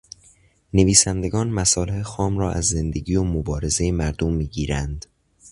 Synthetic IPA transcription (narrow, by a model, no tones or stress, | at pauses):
ne̞viːsænd̪e̞ɡɒːnmæsɒːlehexɒːmrɒːʔæ̰zːe̞nd̪e̞ɡiːjomobɒːɾe̞ze̞jemæɾd̪o̞mːiːɟiːɾænd̪